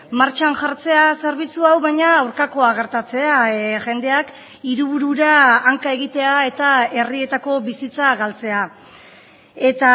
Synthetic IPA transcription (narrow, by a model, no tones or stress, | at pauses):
maɾt͡ʃanʝaɾt͡se̞ase̞ɾβit͡suawβajɲaːwɾkako̞aɣ̞e̞ɾt̪at͡se̞aʝe̞nd̪e̞ak | iɾuβuɾuɾaːŋkae̞ɣit̪e̞ae̞t̪ae̞rie̞t̪ako̞βisit͡saɣalt͡se̞a | e̞t̪a